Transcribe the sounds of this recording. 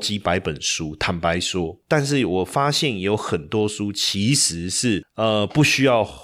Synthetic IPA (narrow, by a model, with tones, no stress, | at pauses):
t͡ɕi˦pa˧˦ɪpə˨˩nʂu˦t̪ʰa˧˥npa˧˥ɪʂwɔ˥t̪a˥˧nʂ̬ɻ̩˥˩wɔ˨˩fa˥ɕjɛ˥˨njo˧˥ʊxə˨˩nt̪wɔ˥ʂu˦t͡ɕʰi˨˧˥ʂɻ̩˨˦ʂɻ̩˥˩ə˧pu˥˩ɕy˥jɑ˥˨ʊ